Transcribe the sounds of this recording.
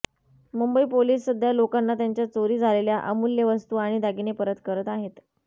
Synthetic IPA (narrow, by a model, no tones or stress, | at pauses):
mumbəiːpoliːsːəd̪ʱjalokanːat̪jaɲt͡ɕjat͡soɾiːd͡zʱaleljaʔəmuljəʋəst̪uːaɽ̃id̪aɡinepəɾət̪kəɾət̪aɦet̪